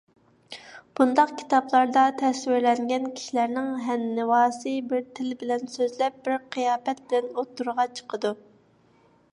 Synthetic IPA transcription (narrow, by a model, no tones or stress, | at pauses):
b̥und̪ɑqkʲʰi̥t̪ɑplˠɑɾd̪ɑt̪ʰɛswɪɾlɛŋɡʲɛnkʲʰi̥ʃilæɾnɪŋɦɛnːɪwɑːsɨbɪɾt̪ʰɪlbɪlɛnsøzlɛp̚b̥ɪɾqʰijɑːpɛt̪̚bɪlɛnot̪ʰːuɾʁɑt͡ʃʰə̥qʰəd̪u